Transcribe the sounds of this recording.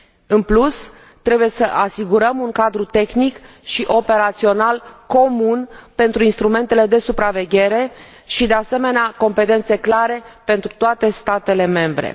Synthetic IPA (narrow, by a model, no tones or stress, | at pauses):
ɨnplus | t̪ɾe̞buje̞səʔasiɡuɾəmuŋkad̪ɾut̪e̞xnik | ʃiʔo̞pe̞ɾat̪sio̞nalko̞munpe̞nt̪ɾuinst̪ɾume̞nt̪e̞le̞d̪e̞supɾave̞ɡʲe̞ɾe̞ | ʃid̪e̞ase̞me̞neako̞mpe̞t̪e̞nt̪se̞klaɾe̞pe̞nt̪ɾut̪oat̪e̞st̪at̪e̞le̞me̞mbɾḛ